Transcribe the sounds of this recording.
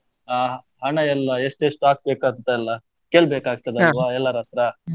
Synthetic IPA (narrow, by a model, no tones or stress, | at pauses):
aː | ɦɐɳɐɛlːɐeʂʈeʂʈuaːk̚beːkaːɡ̪t̪ɐɛlːɐ | keːɭbeːkaːɡ̚t̪ɐd̪eɐɐlʋaːɛlːɐɾɐt̪ɾɐ